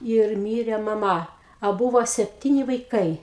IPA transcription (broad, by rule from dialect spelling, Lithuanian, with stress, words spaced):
ɪr ˈmʲiːrʲɛ mɐˈmɐ ɐ ˈbuːʋoː sʲɛpʲˈtʲiːnʲɪ ʋɐɪˈkɐɪ